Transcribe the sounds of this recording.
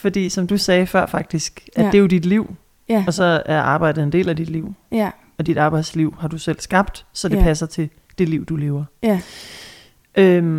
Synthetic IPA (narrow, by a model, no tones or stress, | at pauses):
fɒ̽d̥ḭːsɒ̽md̥usɛːfɶɐ̰fɑ̈ɡ̥̚d̥isɡ̥ʔæ̥e̝jod̥id̥liʊ̰ | ɒ̽sɒ̽æɐʔɑ̈ːb̥ɑ̈ɪ̰d̥ð̩ˠendḛːlæd̥id̥liʊ̰ | ɒ̽d̥id̥ɑ̈ːb̥ɑ̈ɪ̰d̥sliʊ̰hɑ̈d̥usel̰sɡ̥ɑ̈b̥̚d̥sɒ̽d̥epʰæsɐt͡sʰe̝ | d̥e̝liʊ̰d̥ule̝ːʊɐ | ʔøm